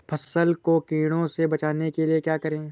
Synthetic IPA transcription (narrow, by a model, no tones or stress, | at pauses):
pʰɐsəlkokiːɽ̃õsebɐt͡ʃaːnekeliekjaːkɐɾẽː